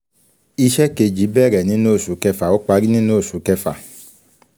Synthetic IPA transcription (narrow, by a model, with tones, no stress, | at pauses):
i˧ʃɛ˦ke˧d͡ʒi˨˦bɛː˦˨ɾɛ˨nĩ˨˦no˦˨su˨˦kɛ˧fa˨o˦k͡pa˧˦ɾi˦nĩ˦no˦˨su˨˦kɛ˧fa̰˨